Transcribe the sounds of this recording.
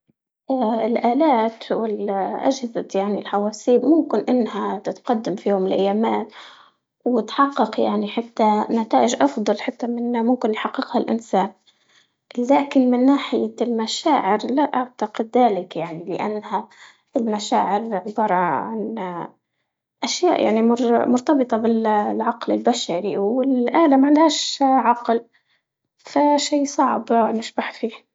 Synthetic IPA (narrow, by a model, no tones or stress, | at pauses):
ʔaɪlʔaːlaːt̪wɪlʔa̰d͡ʒhɪzajaʕnilħawaːsiːbmʊmkɪnʔɪnːhat̪ɪt̪qɑd̪ːamfijoːʊmɪlʔa̰jːaːmaːt̪ | wɪt̪ħɑqːɑqja̰ʕniħat̪ːanat̪aːʔɪʒʔɑfd̪ˤɑlħat̪ːamɪnːamʊmkɪnjħɑqːɪqhalʔɪ̰nsaːn | laːkɪnmɪnːaːħɪjalmaʃaːʕɪɾlaʔaʕt̪aqɪd̪ːaːlɪkjaʕnilɪʔanːha | ɪlmaʃaːʕɪɾʕʊbɑːɾˤɑʕa̰n | ʔaʃja̰ːʔja̰ʕnimmʊɾt̪ɑbɨt̪ˤɑbɪlʕɑqlɪlbaʃaɾiwɪlʔaːlamʕɪnd̪haːʃʕɑql | faʃiːsˤɑʕbnɪʃbaħfiːh